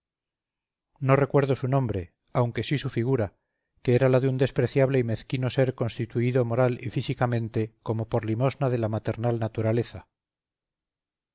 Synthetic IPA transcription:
no̞re̞kwe̞ɾðo̞sunõ̞mbɾe̞ | awŋke̞sisufiɣ̞uɾa | keeɾalaðeund̪e̞spɾe̞θjaβle̞ime̞θkino̞se̞ɾko̞nst̪it̪uiðo̞mo̞ɾalifisikamẽ̞nt̪eko̞mo̞po̞ɾlimo̞znaðe̞lamat̪e̞ɾnalnat̪uɾale̞θa

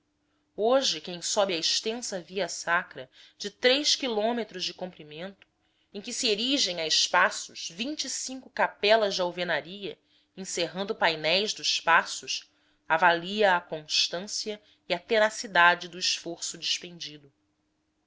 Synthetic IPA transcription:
oʒɪkẽj̃sɔbɪɐɪʃt̪ẽsɐviɐsakɾɐd͡ʒɪt̪ɾejʃkilõmet̪ɾʊzd͡ʒɪkõmpɾimẽnt̪ʊ̥ | ẽj̃kɪsieɾiʒẽj̃aɪʃpasʊʃvĩt͡ʃisĩŋkʊkapɛlɐzd͡ʒɪawvenaɾiɐ | ĩseɦɐ̃nd̪ʊpajnɛjzd̪ʊʃpasʊʃ | avaliɐːkõʃt̪ɐ̃siɐ | iɐt̪enasid̪ad͡ʒɪd̪ʊɪʃfoɾsʊd͡ʒiʃpẽnd͡ʒid̪ʊ

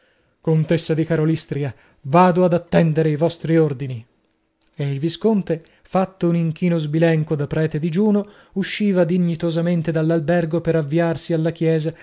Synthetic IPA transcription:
kont̪esːad̪ikaɾolist̪ɾia | vaːd̪oad̪at̪ːɛnd̪eɾeivɔst̪ɾiord̪ini | eilviskont̪e | fat̪ːouniŋk̟iːnozbilɛŋkod̪apːɾɛːt̪ed̪id͡ʒuːno | uʃːiːvad̪iɲːit̪ozament̪ed̪alːalbɛrɡopeɾavːiarsialːakjɛːza

